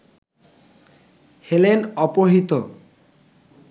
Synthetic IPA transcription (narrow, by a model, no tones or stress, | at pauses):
helenɔpoɦit̪o